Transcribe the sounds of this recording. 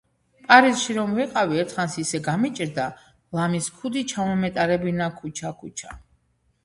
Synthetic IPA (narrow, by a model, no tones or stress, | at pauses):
pʼaɾizʃiɾɔmviqʼaviɛɾt̪ʰχansisɛɡamit͡ʃʼiɾd̪a | lamiskʰud̪it͡ʃʰamɔmɛt̪ʼaɾɛbinakʰut͡ʃʰakʰut͡ʃʰa